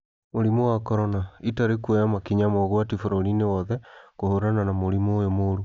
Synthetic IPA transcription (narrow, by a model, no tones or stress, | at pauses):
moɾimowakɔɾɔnaitaɾekuɛjamakiɲamoɣwatifoɾɔɾinewɔðɛkohoɾananamoɾimojomoɾu